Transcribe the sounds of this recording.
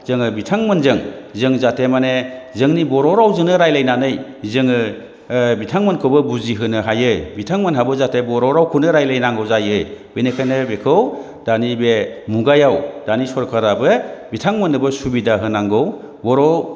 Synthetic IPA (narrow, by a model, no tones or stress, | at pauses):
z̥ɯŋɯbitʰaŋmɯnzɯŋzɯŋzatʰemanezɯŋnibɔɾɔɾawzɯnɯɾajlajnanɯj | zɯŋɯ | bitʰaŋmɯnkʰɯbɯbuziɦɯnɯɦajɯbitʰaŋmɯnɦabɯzatʰebɔɾɔɾawkʰunɯɾajlajnaŋɡɯwzajɯjb̥enekʰanɯbekʰɯw | d̥anibemuɡajawd̥anisɔɾkʰaɾabɯbitʰaŋmɯnɯbɯsubidaɦɯnaŋɡɯw | bɔɾɔw